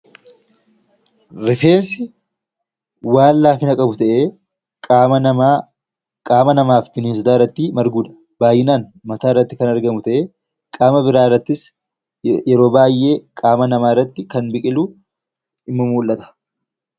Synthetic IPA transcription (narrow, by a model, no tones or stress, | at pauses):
ɾɪfe̞ːnsɪ | waːllaːfɪnɐkʼɐbʊt̪ɐʔeː | aːmɐnɐmaːfmɪnɪːsɪd̪aːɪrːɐt̪ːiːmɐɾɡuːᶑ̪ɐ̥ | b̥aːjɪnaːnmɐt̪aːɪrːɐt̪ːɪkɐnɐɾɡɐmʊt̪ɐʔeː | kʼaːmɐbɪɾaːɪrːɐt̪ːɪs | jɛɾo̞ːbaːjːʔe̞ːkʼaːmɐnɐmaːɪrːɐt̪ːɪkɐnbɪkʼɪluː | ɪmːɐmuːlʔɐt̪ɐ̥